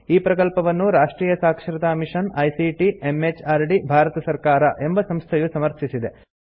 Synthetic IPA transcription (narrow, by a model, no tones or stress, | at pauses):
iːpɾɐkɐlpɐʋɐnːuɾaːʂʈɾiːjɐsaːkʂɾit̪aːmiʂɐnɐjsiʈiemet͡ʃaːɾɖibʱaːɾɐt̪ɐsɐɾkaːɾɐʔe̞mbɐsɐmst̪ʰɐjusɐmɐɾt̪ʰisid̪e